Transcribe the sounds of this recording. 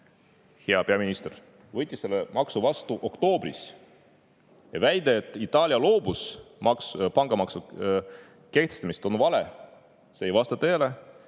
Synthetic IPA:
heɑpeɑminist̪er | vɤt̪ʲːˑiselːemɑksuvɑst̪uʔo̞kt̪o̞ːbris | jɑvæjd̪̥eːt̪ːˑit̪ːˑɑːlʲiɑlo̞ːbusmɑkpɑŋɡ̥ɑmɑksu | ke̞ht̪est̪ɑmist̪o̞nvɑle | seːjvɑst̪ɑt̪eːle

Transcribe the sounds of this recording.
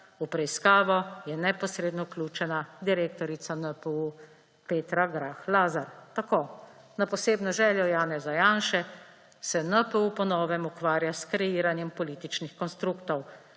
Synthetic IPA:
upɾɛiskaːʋɔjɛnɛpɔsɾeːd̪nɔuklʲuːt͡ʃɛnad̪iɾeːk̚t̪ɔɾit̪sanəpɛu | peːt̪ɾaɡɾaːxlaːzaɾt̪akoː | napɔseːbnɔʒɛːljɔjaːnɛzajaːnʃɛ | sɛnəpɛupɔnɔːʋɛmukʋaːɾjaskɾɛjiːɾanjɛmpɔliːt̪it͡ʃnixkɔnst̪ɾukt̪ɔw

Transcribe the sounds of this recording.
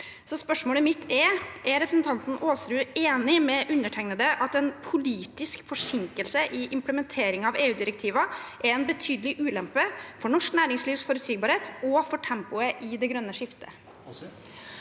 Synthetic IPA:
sɔspœʂmoːləmɪt̪ʰːɛɾʔæɾɾɛpɾəsn̩t̪ʰɑnt̪n̩oːsɾʉːeːnɪmɛʔʉnːəʈʰɛŋnəd̪əʔɑt̪ɛnpʰʊliːt̪ɪskfɔʂɪŋkəlsəʔɪʔɪmpləmɛnt̪ʰeːɾɪŋɑʋeːʉːd̪ɪɾɛk̚t̪ʰiːʋɑʔɛɾɛnbət̪ʰyːd̪əlɪʔʉːlɛmpəfɔɳɔʂknæːɾɪŋsliːʋsfɔɾʉt̪siːɡ̚bɑːɾheːt̪ɔfɔʈʰɛmpʊəʔɪd̪ɛɡɾœnːəʂɪft̪ʰə̰

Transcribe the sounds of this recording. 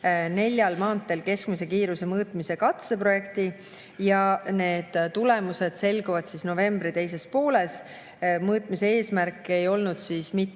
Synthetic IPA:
ne̞lʲjɑlmɑːnt̪ːˑe̞lke̞skmise̞kiːɾuse̞mɤːt̪ˑmise̞kɑt̪se̞pro̞je̞kt̪i | jɑne̞ːd̪̥t̪ːule̞muse̞d̪̥se̞lɡ̥uvɑd̪̥sisno̞ve̞mbɾit̪e̞jse̞spo̞ːle̞s | mɤːt̪ˑmise̞e̞ːsmærkːˑe̞jo̞lnud̪̥siːsmit̪ːˑ

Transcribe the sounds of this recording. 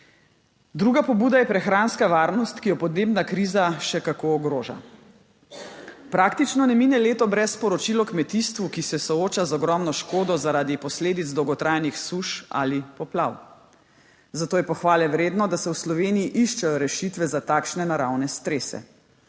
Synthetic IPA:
d̪ɾuːɡapɔbuːd̪ajɛpɾɛxɾaːnskaʋaːɾnɔst̪kijɔpɔd̪neːbnakɾiːzaʃɛkakoɔɡɾoːʒa̰ | pɾakt̪it͡ʃnɔnɛminɛleːt̪ɔbɾɛspɔɾɔt͡ʃilɔkmɛt̪ist̪ʋukisɛsɔoːt͡ʃazɔɡɾɔmnɔʃkoːd̪ɔzaɾaːd̪ipɔsleːd̪id̪zd̪ɔwɡɔt̪ɾaːjnixsuʃa̰lipɔpla̰w | zat̪oːjɛpɔxʋaːlɛʋɾeːd̪nɔd̪asɛwslɔʋeːniiʔiʃt͡ʃɛjɔɾɛʃit̪ʋɛzat̪aːkʃnɛnaɾawnɛst̪ɾeːsɛ̰

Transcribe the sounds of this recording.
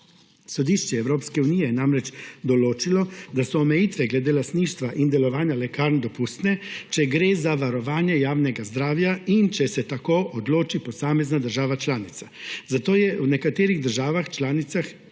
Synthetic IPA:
sɔd̪iʃt͡ʃɛɛwɾoːpskɛunijɛjɛnamɾɛt͡ʃd̪ɔloːt͡ʃilɔd̪asɔːmɛjit̪ʋɛɡlɛd̪elast̪niːʃt̪ʋaʔind̪ɛlɔʋaːnjalɛkaːɾnd̪ɔpust̪nɛt͡ʃɛɡɾeːzaʋaɾɔʋaːnjɛjaːwnɛɡazd̪ɾaːwjaint͡ʃɛsɛt̪akoːʔɔd̪loːt͡ʃipɔsaːmɛznad̪əɾʒaːʋat͡ʃlaːnit̪sazat̪oːjɛunɛkat̪eːɾiɣd̪əɾʒaːʋaxt͡ʃlaːnit̪sax

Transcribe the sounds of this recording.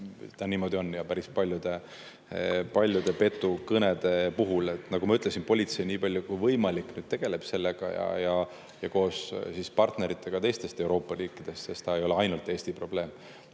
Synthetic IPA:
t̪ɑniːmo̞d̪io̞njɑpæɾispɑlʲjud̪̥e̞ | pɑlʲjud̪̥epe̞t̪ːˑukɤned̪e̞puɦule̞t̪ˑnɑɡ̥umɑyt̪ːˑlesinpo̞lʲit̪se̞jniːpɑlʲjukujvɤjmɑlikːˑnyːd̪̥̚t̪e̞ɡ̥e̞le̞b̥se̞lːeɡ̥ɑ̰jɑ̰jɑ | jɑko̞ːssispɑrt̪ne̞ɾit̪ːˑe̞ɡ̥ɑt̪e̞jst̪e̞st̪e̞uɾo̞ːpːˑɑriːkːˑid̪̥e̞st̪se̞st̪ɑe̞jo̞leɑjnult̪ːˑeːsʲt̪ipro̞b̥le̞ːm

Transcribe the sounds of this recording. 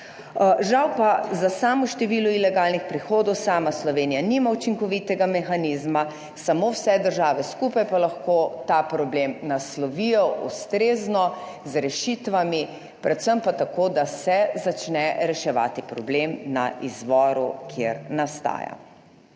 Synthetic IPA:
ʒawpazasaːmuʃt̪ɛʋiːluilɛɡaːlnixpɾixoːd̪ɔwsaːmaslɔʋeːnijanimaut͡ʃiŋkɔʋit̪ɛɡamɛxaniːzma | samowsɛd̪əɾʒaːʋɛskuːpajpalaxkot̪apɾɔblemnaslɔʋijɔʔust̪ɾeːznɔ | zɾɛʃit̪ʋami | pɾɛt̪səmpat̪akoːd̪asɛzat͡ʃnɛɾɛʃɛʋa̰ːt̪ipɾɔblemna̰ʔizʋɔɾukʰjḛɾnast̪a̰ːja̰

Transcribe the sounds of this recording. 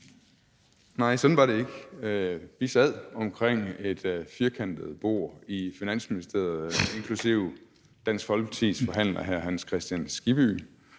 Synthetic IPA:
nɑ̈ɪ̰sɒ̽d̥n̩ʋɑ̈ɾe̝e̝ɡ̥ | ʋisæð̰ˠɒ̽mkʰʁeŋ̰e̝d̥fiɐkʰæn̰d̥əð̩ˠb̥o̝ɐ̰ifinæn̰sminisd̥e̝̰ɐð̩ˠe̝ŋkʰlusiʊ̰ | d̥æn̰sɡ̥fɒ̽lt͡sʰiðˠsfɒ̽ɦæn̰lɐɦæɐ̰ɦænskʰʁɛsd̥jænsɡ̥ib̥y̰

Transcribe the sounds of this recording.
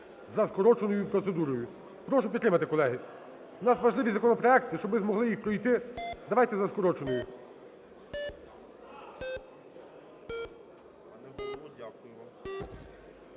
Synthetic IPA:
zɐskɔɾɔt͡ʃenɔjupɾɔt̪se̞d̪uɾɔjʊ | pɾɔʃʊpʲit̪ːɾɪmɐt̪ɪkɔlˠɛɦɪ | unɑsʋɐʒlˠɪʋʲizɐkɔnɔpɾɔɛk̚t̪ɪʃt͡ʃɔbɪzmɔɦlˠɪjixpɾɔjt̪ɪd̪ɐʋajt̪ɛzɐskɔɾɔt͡ʃenɔjʊ

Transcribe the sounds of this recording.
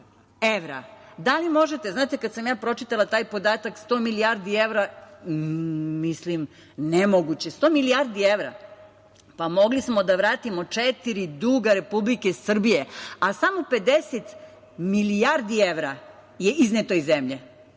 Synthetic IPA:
eʋɾa̰d̪alimo̞ʒet̪eznaːt̪ekad̪samjaːpɾo̞t͡ʃit̪alat̪aːjpo̞d̪aːt̪akst̪oːmilijaɾd̪ieʋɾa | mislim | nemoɡut͡ɕe̞st̪o̞ːmilijaɾd̪ieʋɾa̰ | pamo̞ɡlismo̞d̪aʋɾaːt̪imo̞t͡ʂet̪iɾid̪uɡaɾe̞publikesr̩bijeasamope̞d̪eset̪ | milijaɾd̪ieʋɾa | jeʔiznet̪oizemʎe

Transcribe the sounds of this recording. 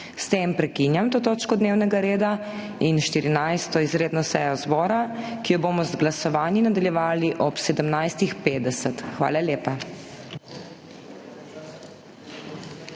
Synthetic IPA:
st̪empɾɛkinjamt̪oːt̪oːt͡ʃkɔd̪neːwnɛɡaɾeːd̪a | inʃt̪iɾinajst̪ɔizɾeːd̪nɔsɛjɔzbɔːɾakijɔboːmɔzɡlasɔʋaːninad̪aljɛʋaːliʔɔpsɛd̪əmnajst̪ixpeːd̪ɛsət̪xʋa̰ːlaljeːpa

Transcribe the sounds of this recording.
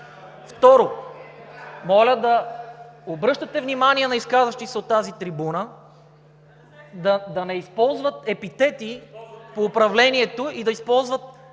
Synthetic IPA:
ft̪ɔɾo | mɔlʲəd̪ɐ | obɾɤʃt̪ɐt̪ɛvnimaniɛnɐiskazvɐʃt̪isɛot̪ːazit̪ɾibunə | d̪ɐd̪ɐnɛispɔlˠzvət̪ɛpit̪ɛt̪ipoːpɾɐvlɛniɛt̪oid̪ɐispɔlˠzvət̪̚

